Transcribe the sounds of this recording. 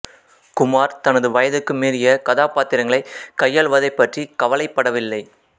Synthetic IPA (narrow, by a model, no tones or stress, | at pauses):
kʊmaːɾt̪ɐnɐðɯʋɐjɐðɯkːɯmiːrɪjɐkɐðaːpaːt̪ɪɾɐŋɡɐɭɐɪkɐjːɐlʋɐðɐɪpːɐʈrikɐʋɐlɐɪpːɐɽɐʋɪlːɐɪ